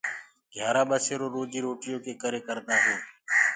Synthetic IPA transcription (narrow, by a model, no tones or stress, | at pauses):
ɡʱjaːɾaːɓəseːɾoːɾoːd͡ʒiːɾoːʈɪjoːkeːkəɾeːkəɾd̪aːɦeː